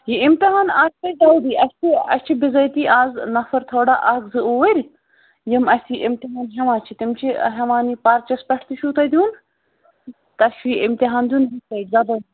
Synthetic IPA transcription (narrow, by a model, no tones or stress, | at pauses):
jiɪmt̪iɦaːnaːt͡ʃʰt̪ɐjʈɐwd̪iːʔɐsʲt̪ʰiɐ̰sʲt͡ʃʰibɪzɐjt̪iːʔaːznɐfɐɾt̪ʰoːɖaːʔɐɡzɨoːəɾʲ | jimɐsʲt̪iʔɪmt̪iɦaːnɦɐmaːt͡ʃʰit̪imt͡ʃʰḭɦɐmaːniːpaːɾt͡ʃɐspʲɐʈʰt̪iʃʰuːt̪ɐjd̪ʲjuːn | t̪ɐʃʋiːɪmt̪iɦaːnd̪ʲjuːnɦɐt̪ɐzɐb̪ɐ